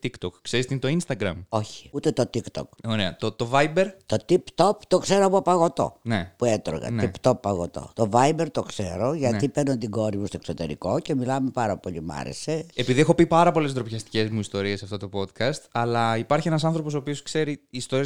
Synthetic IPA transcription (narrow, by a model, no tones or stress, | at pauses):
t̪ikt̪okːseɾist̪int̪o̞inst̪ɐɡɾɐmo̞çi̥ut̪e̞t̪o̞t̪ikt̪o̞̰koɾeɐ̰t̪ot̪o̞vɐibe̞ɾt̪ot̪ipt̪o̞pt̪o̞kse̞ɾoɐpuɐpɐɣo̞t̪o̞̰nepuet̪ɾo̰ɣɐ̰tnipt̪o̞pːɐɣo̞t̪o̰t̪o̞vɐibe̞ɾt̪okseɾo̞ʝɐipeɾnont̪iɡo̞ɾimust̪oe̞kso̞t̪e̞̰ɾḭko̞ce̞milɐmepɐɾɐpo̞ʎimɐ̰ɾḛse̞epiðiexo̞pipɐɾɐpo̞le̞sd̪ɾopçɐst̪i̥ce̞zmuist̪o̞ɾiesɐft̪o̞t̪o̞po̞t̪kɐst̪ɐlɐipɐɾçienɐs̬ɐnθɾo̞posoːpioskse̞ɾiːst̪o̞ɾiɐ